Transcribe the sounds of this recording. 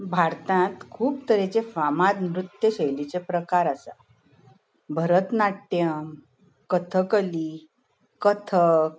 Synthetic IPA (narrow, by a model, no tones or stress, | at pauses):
bʱaɾt̪ãt̪kʰuːpt̪əɾẽt͡sefamad̪mɾut̪ːjəɕelit͡sepɾəkaɾasa̰ | bʱəɾət̪naʈʈ̪ːjəm | kət̪ʰəkəli | kət̪ʰək